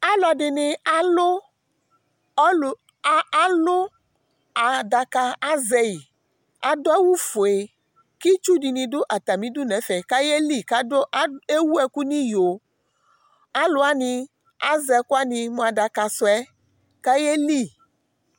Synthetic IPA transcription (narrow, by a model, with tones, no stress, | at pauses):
a˦lɔ˨ɖe˨ne˨a˦lo˦˨˦ | a˦lo˦ | a˨da˨ka˨a˦zɛ˦i˨ | a˨dɔ˦e˦wu˦fo˨e˨ | ki˦t͡ʃu˦di˨nĩ˨do˦ʔa˨t̪a˨mĩ˦du˦nɛ̃˨˦fɛ˨ka˦je˦li˦˨ka˦do˦ʔa˦e˦wu˦ɛ˨ku˦nĩ˦jo˨ | a˦lo˦a˦nĩ˧ | a˦zɛ˨ku˦a˦nĩ˧mõ˨a˨da˨ka˨sɔ˨ɛ˦ | ka˦je˦li˦˨